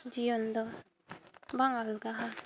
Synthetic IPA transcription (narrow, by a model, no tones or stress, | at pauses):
d͡ʒijɔnd̪ɔ | baŋalɡaɦa